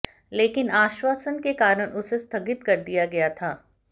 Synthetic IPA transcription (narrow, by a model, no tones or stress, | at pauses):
leːkɪnaːʃwaːsənkekaːɾənʔʊsest̪ʰɐɡɪt̪kɐɾd̪ijaɡɐjat̪ʰaː